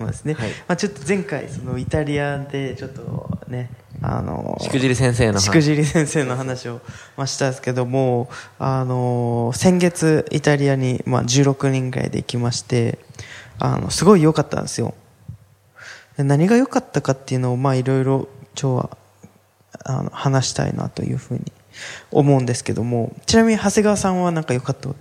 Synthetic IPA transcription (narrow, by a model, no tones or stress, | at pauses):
ma̰sɨne̞mat͡ɕo̞t̪ːo̞zẽ̞ŋkaḭso̞no̞it̪aɾʲiad̪e̞t͡ɕo̞t̪ːo̞̰ne̞a̰no̰ikɯʑiɾʲisẽɰ̃seːnoɕi̥kɯ̟ʑiɾʲisẽ̞ɰ̃se̞ːno̞ɦanaɕio̞maɕi̥t̪ãsɨ̥ke̞d̪o̞mo̞ːano̞sẽ̞ŋɡe̞t͡sɨḭt̪aɾʲiaɲ̟ima̰d͡ʑɨːɾo̞kɯ̟ɲ̟ĩŋɡɯ̟ɾa̰ḭd̪e̞̰ikʲimaɕi̥t̪e̞ | a̰no̞̰sɨɡo̞ijo̞kat̪ːã̰nd̪sɨjo̞̰ | janaɲ̟iɡajo̞kat̪ːakat̪ːe̞jɯ̟no̞ːmaːiɾo̞iɾo̞t͡ɕoːβa̰ | a̰no̰hanaɕi̥t̪a̰ḭna̰t̪o̞̰jɯ̟̰ːɸɯ̟̰ːɲ̟i | o̰mo̞ɯ̟̃nd̪e̞sɨ̥ke̞d̪o̞mo̞t͡ɕinamʲiɲ̟ihase̞ɡaβasãɰ̃βanãŋkajo̞kat̪ːa